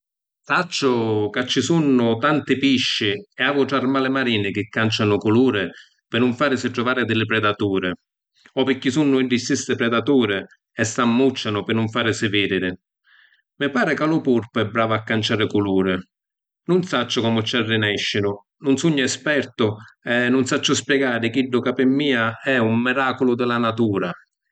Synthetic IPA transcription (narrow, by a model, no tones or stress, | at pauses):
sat͡ʃːʊkat͡ʃːɪsunːʊt̪ant̪ɪpiʃːiɛaːvʊʈɾarmaːlɪmaɾiːnɪkɪkːant͡ʃanʊkʊluːɾɪ | pɪnːʊɱfaːɾɪsɪʈɾʊvaːɾɪd̪ɪlɪpɾɛd̪at̪uːɾɪ | ɔpɪkːisunːʊiɳɖist̪ːist̪ɪpɾɛd̪at̪uːɾɪ | ɛsːamːut͡ʃːanʊpɪnʊɱfaːɾɪsɪvɪd̪iɾɪ | mɪpaːɾɪkalʊpurpʊɛbɾaːvaakːant͡ʃaːɾɪkuluːɾɪ | nʊnsat͡ʃːʊkɔmʊt͡ʃːarːɪnɛʃːɪnʊ | nʊnsuɲːʊɛspɛrt̪ʊɛnːʊnsat͡ʃːʊspjɛɡaːɾɪk̟iɖːʊkapɪmːiːaɛumːiɾaːkʊlʊd̪ɪlanat̪uːɾa